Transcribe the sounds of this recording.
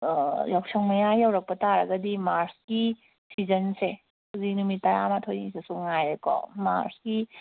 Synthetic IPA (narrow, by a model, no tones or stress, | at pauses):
jɔwksʰɔŋmɐjajawɾɐk̚pɐtaɾɐɡɐdimaɾski | sizɐnse | kuzinumitajamatʰojnisesuŋajɾekɔ̰ma̰ɾski